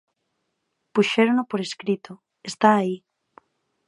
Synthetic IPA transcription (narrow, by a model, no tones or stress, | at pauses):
puʃeɾonopoɾeskɾit̪o | est̪aːi